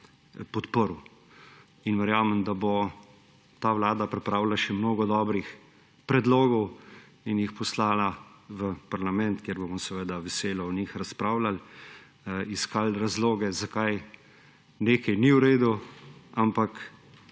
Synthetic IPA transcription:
pɔt̪pəɾu | inʋɛɾjaːmɛmd̪abɔ | t̪aːʋlaːd̪apɾɛpɾaːwlaʃɛmnoːɡɔd̪ɔːbɾix | pɾɛd̪loːɡɔw | injixpɔslaːlaʋəpaɾlamɛnt̪kjeɾbomɔsɛʋəd̪aʋɛseːlɔɔnixɾaspɾaːwlal | iskalɾazloːɡɛzakaj | neːkɐjniuɾeːd̪uampak

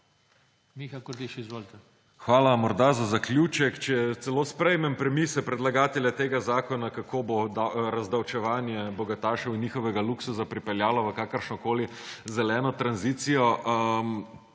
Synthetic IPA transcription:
mixakoɾd̪iʃizʋoːlt̪ɛ | xʋaːlamɔɾd̪azazaklʲjuːt͡ʃɛkt͡ʃɛɛt̪sɛloːspɾɛjmɛmpɾɛmisɛpɾɛd̪laɡaːt̪ɛlʲjat̪eːɡazaːkɔnakakoːbod̪aɾazd̪awt͡ʃɛʋaːnjɛbɔɡat̪aːʃɔwinjiːxɔʋɛɡaluksusapɾipɛljaːlɔʋəkaːkəɾʃnɔkoːli | zɛlɛːnɔt̪ɾanziːt̪sijɔm

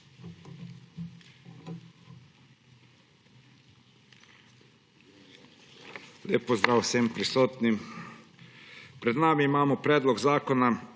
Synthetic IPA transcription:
leːpːɔzd̪ɾaːwsɛmpɾisoːt̪nim | pɾɛd̪naːmiːmaːmɔpɾɛːd̪lɔɡzaːkɔna

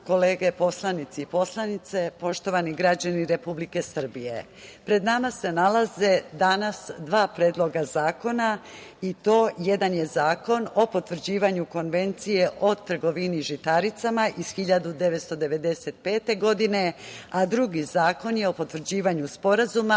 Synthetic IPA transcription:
ko̞leːɡe̞po̞slˠanit̪siipo̞slˠanit̪se̞po̞ʃt̪o̞ʋaniɡɾad͡ʑaniɾe̞publike̞sr̩bije̞̰ | pɾe̞d̪namase̞nalaze̞d̪anasd̪ʋaːpɾeːd̪lˠo̞ɡazaːko̞nait̪o̞ːje̞d̪anje̞zaːko̞no̞po̞t̪ʋr̩d͡ʑiːʋaɲuko̞nʋe̞nt̪sije̞ʔo̞t̪r̩ɡo̞ʋiniʒit̪aɾit̪samaʔiz̥xiʎad̪ud̪e̞ʋet̪st̪o̞d̪e̞ʋe̞d̪e̞se̞t̪̚pe̞ːt̪e̞ɡo̞d̪ine̞ad̪ɾuɡizaːko̞njeo̞po̞t̪ʋr̩d͡ʑiːʋaɲuspo̞ɾazuma

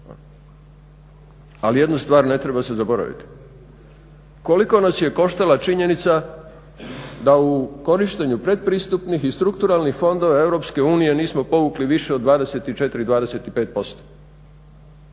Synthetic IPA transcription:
alije̞d̪nust̪ʋaːɾne̞t̪ɾe̞base̞zabo̞ɾa̰ʋḭt̪i̥ | ko̞liko̞nasje̞ko̞ʃt̪alat͡ʃiɲe̞nit̪sa | d̪auko̞ɾiʃt̪eɲupɾe̞d̪̚pɾiːst̪upnixist̪ɾukt̪uɾalˠnixfo̞nd̪o̞ʋae̞ʋɾo̞pske̞uːnije̞niːsmo̞po̞ʋukliʋiʃe̞od̪ʋaːd̪e̞se̞t̪it͡ʃe̞t̪iɾid̪ʋaːd̪e̞se̞t̪ipe̞ːt̪̚po̞st̪o̥

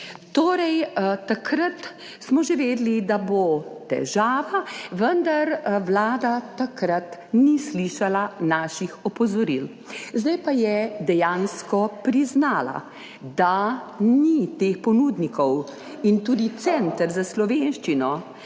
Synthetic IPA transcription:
t̪oːɾɛjt̪akɾat̪ | smɔʒeʋeːd̪lid̪abot̪ɛ̰ʒaːʋaʋənd̪aɾʋlaːd̪at̪akɾat̪nisliːʃalanaːʃixɔpɔzɔɾil | zd̪ajpajɛd̪ɛjanskɔpɾiznaːla̰ | d̪anit̪expɔnud̪nikɔw | int̪uːd̪it̪sɛnt̪əɾzaslɔʋenʃt͡ʃinɔ

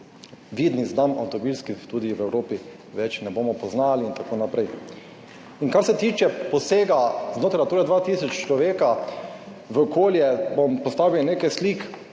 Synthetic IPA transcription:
ʋiːd̪nizd̪ama̰wt̪ɔbilskit̪uːd̪iʋɛwɾoːpi | ʋɛt͡ʃnɛboːmɔpɔznaliːnt̪akoːnapɾɛj | iŋkaɾsɛt̪iːt͡ʃɛpɔseːɡaznoːt̪ɾajt̪uːɾad̪ʋat̪iːsɔt͡ʃt͡ʃlɔʋeːka | ʋəɔkoːljɛbɔmpɔst̪aːʋiwnekasliːk

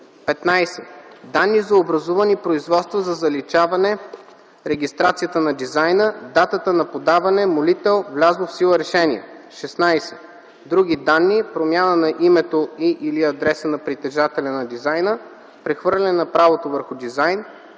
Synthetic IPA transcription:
pɛt̪najsɛd̪anːizɐobɾɐzuvɐnipɾoizvɔt̪st̪vɐzɐzɐlit͡ʃavɐnɛ | ɾɛɡ̟ʲist̪ɾat̪sijət̪ənɐd̪izajnəd̪at̪ət̪ənɐpod̪avɐnɛmolit̪ɛlˠvlʲaznofsilˠəɾɛʃɛniɛ̰ʃɛsnajsɛ̥ | d̪ɾuɡʲid̪anːipɾomʲjanənɐʔimɛt̪oiʔiliɐd̪ɾɛsənɐpɾit̪ɛʒat̪ɛlʲɐnɐd̪izajnə | pɾɛxvɤɾlʲɛnɐpɾavot̪ovəɾxʊd̪izajn

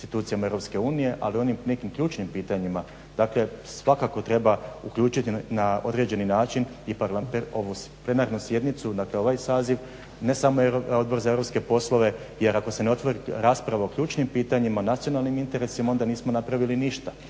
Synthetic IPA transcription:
st̪it̪uːt̪sijamaeɾopske̞uːnije̞ʔa̰lio̞nimne̞kimkʎuːt͡ʃnimpiːt̪aɲima | d̪aːkle̞sʋakako̞t̪ɾe̞baukʎuːt͡ʃit̪inaod̪ɾe̞d͡ʑe̞ninaːt͡ʃin | iplapoʋuple̞naːɾnusje̞d̪nit̪sud̪akle̞o̞ʋajsaːziʋ | ne̞samoeoo̞d̪̚bo̞ɾzaeɾo̞pske̞po̞slo̞ʋe̞ | je̞ɾako̞se̞neo̞t̪ʋo̞ɾiɾaːspɾaʋaokʎuːt͡ʃnimpiːt̪aɲimaonat̪sijo̞nalˠnimint̪e̞ɾe̞simao̞nd̪aniːsmo̞napɾaʋiliniʃt̪a

